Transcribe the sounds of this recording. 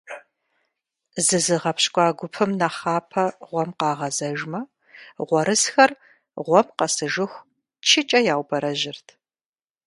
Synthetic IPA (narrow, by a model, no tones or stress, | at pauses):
zɨzɨʁɐpɕkʷʼɑːɡʷʊpʰɨmnɐχɑːpʰɐʁʷɔmqɑːʁɐzɐʒmɐ | ʁʷɔɾɨsxɐr | ʁʷɔmqɐsɨʒɨxʷ | t͡ʃʰɪt͡ʃʼɐjaːwbɐɾɐʑɪrtʰ